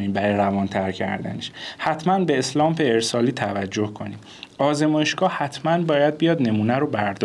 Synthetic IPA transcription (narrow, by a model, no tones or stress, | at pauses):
niːmbæɾɒjɾævɒnt̪ʰæɾcʰæ̰ɾd̪æ̰neʃhæt̪ʰmænbeːslɒːmfeːɾsɒːliːt̪ʰævæd͡ʒːohkʰo̞niːm | ɒːze̞mɒːjeʃɡ̥ɒːhæt̪ʰmænbɒːjæd̪̚bijɒːd̪ne̞muːnæɾobæɾd̪ɒ